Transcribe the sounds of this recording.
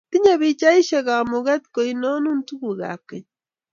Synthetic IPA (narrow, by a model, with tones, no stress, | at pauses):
ti˦ɲa˨βi˦t͡ʃa˦i˦ʃe˨ɣa˨mo˨ɣa˦ti̥ko˨i˨no˦nu˦ntu˦βu˨ɣa̰˨ke˨